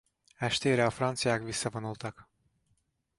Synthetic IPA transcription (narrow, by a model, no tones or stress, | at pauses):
æʃt̪ʰeɾaafɾansjakvisavanolˠt̪ʰak